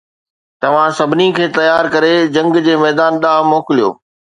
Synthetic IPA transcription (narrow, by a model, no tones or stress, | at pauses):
t̪ɐʋ̤ãsɐbʱɪnikʰeːt̪ɐjaːɾkɐɾed͡ʑɐ̃ŋɡd͡ʑeːmɛːd̪aːnɗaːɦmoːkɪlijo̰ː